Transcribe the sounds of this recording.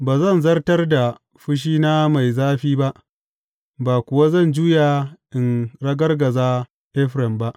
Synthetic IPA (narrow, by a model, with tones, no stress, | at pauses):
baː˨zɐ˦˨nzɐ˦rtɐ˦rda˨ | ɸʊ˦ʃ̬iː˦na˦ma˨jzaː˦ɸiː˦ba˦ʔ | baː˨kʷʊ˨wa˦zɐ˦˨nd͡ʒuː˦jaː˨ʔɪ˨nɾɐ˦ɡɐ˦rɡɐ˨zaː˦ | ʔɛ˦ɸɾɛ˨mba˦ʔ